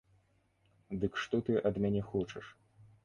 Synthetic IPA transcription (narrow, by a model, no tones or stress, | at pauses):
d̪ɨkʂt̪ɔt̪ɨʔɐd̪mʲanʲɛxɔt͡ʂɐ̰ʂ